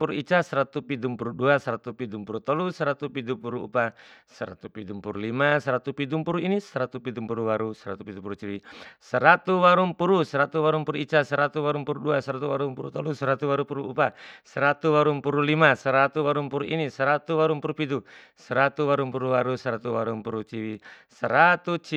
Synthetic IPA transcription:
puɾuit͡ʃasɛɾat̪upidumpuɾuduasɛɾat̪upidumpuɾut̪ɔlusɛɾat̪upidupuɾuṵpasɛɾa̰t̪upidumpuɾulimasɛɾat̪upidumpuɾuinisɛɾat̪upidumpuɾuwaɾusɛɾat̪upid̪upuɾut͡ʃiɾisɛɾat̪uwaɾumpuɾusɛɾat̪uwaɾumpuɾuit͡ʃasəɾat̪uwaɾumpuɾuduasɛɾat̪uwaɾumpuɾut̪ɔlusɛɾat̪uwaɾupuɾuupasəɾat̪uwaɾumpuɾulimasəɾat̪uwaɾumpuɾuʔinisɛɾat̪uwaɾumpuɾupidu | səɾat̪uwaɾumpuɾuwaɾusɛɾat̪uwaɾumpuɾut͡ʃiwisəɾat̪ut͡ʃ

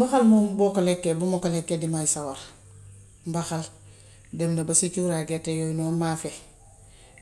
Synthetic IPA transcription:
mbaxalmombokalekːebumokalekːedimajisawaɾ | mbaxal | demnɐbasikuɾaɡetːejojnomaːfe

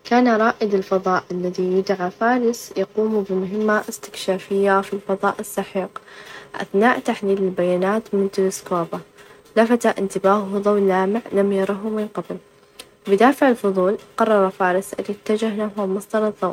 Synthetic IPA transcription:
kaːnaɾˤɑːʔɪd̪ɪlfɑðˤɑːʔalːaðijɪd̪ʕafaːɾˤɪsjɑquːmubɪmʊɦɪmːaʔɪst̪ɪ̥kʃaːfɪjːafilfɑðˤɑːʔɪsːɑħiːqʔa̰θnaːʔt̪aħliːlɪlbajaːnaːt̪mɪnt̪ɪlɪskoːba | lafat̪aʔɪnt̪ɪbaːʔʊhðˤɑwnlːaːmɪʕlamjɑɾˤɑɦʊmɪnqabl | bɪd̪aːfɪʕɪlfʊðˤuːlqɑrˤːɑɾˤɑfaːɾɪsʔɪ̰ljɪt̪ːad͡ʒahlaɦamɑsˤd̪ɑɾˤɑðˤɑw

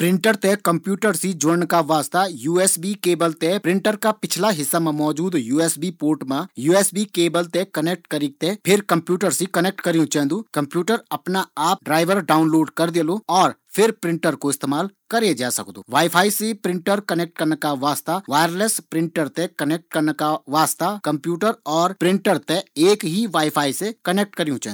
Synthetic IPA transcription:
pɾɪ̃ɳʈəɾt̪ekɐ̃mpjuːʈəɾsid͡ʒoɽənkaʋaːst̪ajuːɛːsbikeːbəlt̪epɾɪ̃ɳʈəɾkapɪt͡ʃʰlaɦɪsːamẽmɔːd͡ʒuːd̪juːeːsbipoːɾʈmãjuːɛːsbikeːbəlt̪ekɐnek̚ʈkɐɾĩk̚t̪epʰɪɾkɐ̃mpjuːʈəɾsikɐneːk̚ʈkɐɾiũt͡ʃɛ̃ːnd̪uːkɐ̃mpjuːʈəɾɐpnaaːp̚ɖɾaːɪʋəɾɖaːʊnloːɖkɐɾd̪eːloɔːɾpʰɪɾpɾɪ̃ɳʈəɾkoɪst̪eːmaːlkəɾed͡ʒaːsə̰kd̪o̰ːʋaːɪpʰaːisepɾɪ̃ɳʈəɾkənek̚ʈ̚kɐɾnekaʋaːst̪aʋaːjəɾlespɾɪ̃ɳʈəɾt̪ekɐnek̚ʈ̚kəɾnkaʋaːst̪akɐ̃mpjuːʈəɾɔːɾpɾɪ̃ɳʈəɾt̪eeːkɦiʋaːipʰaːisekɐneːk̚ʈkəɾijũt͡ʃɛ̰̃ː

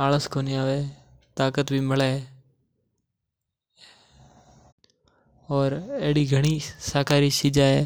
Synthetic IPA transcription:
aːləskoːniaːʋeː | t̪aːkət̪bʱiːmɪleː | ɔːɾeːɦɽiːɡʱəɽ̃iːsaːkaːɾiːsɪd͡ʒaːɦeː

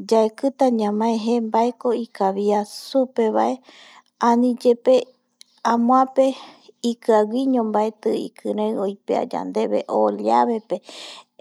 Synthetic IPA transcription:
d͡ʒaekɨt̪aɲãmãeɦẽmbaekoikaβiasupeβa̰ʔe | ãnĩd͡ʒepe | amw̃ãpe | ikɨawiɲõmbaet̪ɨḭkʰɨɾẽojpea̰d͡ʒa̰nd̪e̞βḛʔoljaβe̞pe

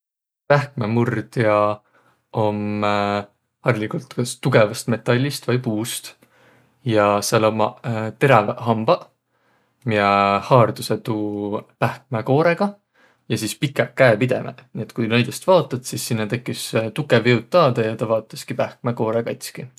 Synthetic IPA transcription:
pæhk̚memurd̪̥jɑ | om | hɑrlikult̪kɑst̪uɡe̞vɑst̪me̞t̪ːˑɑlʲːist̪vɑjpuːst̪ | jɑseɑlomɑt̪e̞ɾɑvɦɑmb̥ɑ | miehɑːrd̪̥uset̪uːpæhk̚meko̞ːɾeɡ̥ɑ | jɑsispikːˑekːæepid̪̥e̞mḛnie̞t̪kujnejd̪est̪vɑːt̪ːˑɑt̪sisːinːɑt̪e̞kːˑist̪ukːˑeviwt̪ːˑɑːd̪̥ɑjɑt̪ɑvɑːt̪ːˑɑskipæhk̚meko̞ːɾekɑjt̪ʲski

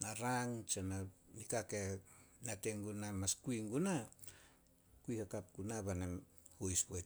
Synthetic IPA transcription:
aɾaŋt͡ʃananikakenateŋɡunamaskuiŋɡuna | kuihakap̚ɡunaβanem | hojsboj

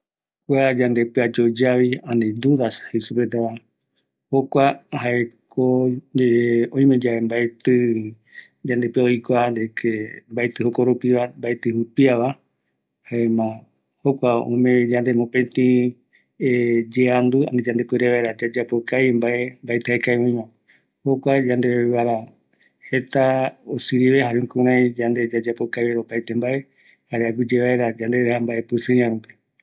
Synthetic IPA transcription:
kʷad͡ʒand̪e̞pɨad͡ʒod͡ʒaβiãned̪uðashesupet̪aa | hokʷahaekʰo | õj̃mẽd͡ʒaembaet̪ɨ | d͡ʒand̪epeojkʷand̪ekʰembaet̪ɨhokoɾupiβambaet̪ɨhupiaβa | haemã | hokʷaõ̰mẽd͡ʒãnd̪emõpẽt̪ĩ | ed͡ʒeand̪ua̰nd̪ed͡ʒãnd̪ekwɾeβaeɾad͡ʒad͡ʒapokajmbae̞mbaet̪eekajãj̃mã | hokʷad͡ʒand̪eeβaɾa | he̞t̪aosɨɾiβehaɾeũŋkũɾ̃ãj̃d͡ʒand̪e̞d͡ʒad͡ʒapokajβeɾopajt̪embaʔe̞ | haɾeaɡud͡ʒeβaeɾad͡ʒãnd̪eɾehambaʔe̞pɨsɨ̃ɲãɾũpe

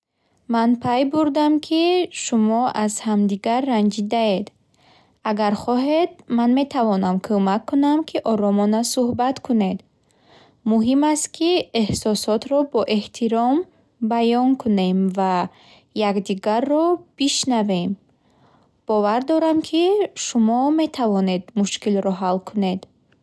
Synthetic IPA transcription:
manpʰajbuɾd̪amkʰiʃumɔazhamd̪iɡaɾːand͡ʒid̪ae̞d̪ | aɡaɾχɔɦe̞d̪̚manme̞t̪ʰavɔnamkʰomakʰːunamkʰiʔɔɾɔmɔnasuhbat̪kʰune̞d̪ | muɦimast̪kʰiehsɔsɔt̪ɾɔbɔʔe̞ht̪ʰiɾɔm | bajɔŋkʰune̞mva | jakd̪iɡarːɔb̥iʃnave̞m | b̥ɔvaɾd̪ɔɾamkʰiʃumɔme̞t̪ʰavɔne̞d̪muʃkilɾɔɦalkʰune̞d̪

